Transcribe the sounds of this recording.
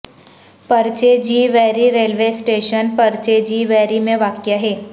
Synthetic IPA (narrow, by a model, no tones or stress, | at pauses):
pɐɾt͡ʃed͡ʒiːʋɛːɾiɾeːlʋesʈeːʃənpɐɾt͡ʃed͡ʒiːʋɛːɾimẽʋaːkjaɦɛː